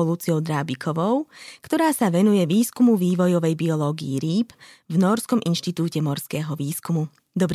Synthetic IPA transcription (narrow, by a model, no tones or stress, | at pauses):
ɔluːt͡siɔʊd̪ɾaːbikʰɔʋɔʊkt̪ɔɾaːsaʋɛnujɛʋiːskumuʋiːʋɔjɔʋɛjbiɔlɔːɡḭjiɾiːb | vnɔɾskɔmʔinʃt̪it̪uːcɛmɔɾskɛːɦɔʋiːskumu | d̪ɔbɾ